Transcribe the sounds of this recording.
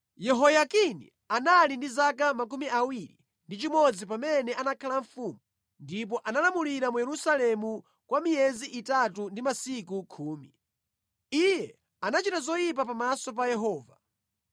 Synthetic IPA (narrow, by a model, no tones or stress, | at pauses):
jɛɦɔjakinḭ | analindizakamak̬umiʔawiɾḭ | ndit͡ʃimɔd͡zip̬amɛnɛanakʰalaɱfumu | ndip̬ɔʔanalamuliɾamujɛɾusalɛmu | kwamijɛziʔitatundimasikukʰuːmi | ijɛ | anat͡ʃitazɔjip̬apamasɔp̬ajɛɦɔːva